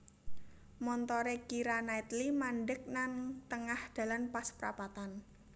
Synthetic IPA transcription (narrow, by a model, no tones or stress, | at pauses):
mɔnt̪ɔɾekiɾanait̪limaɳɖək̚nant̪əŋahd̪̥ä̤lanpaspəɾa̰pat̪an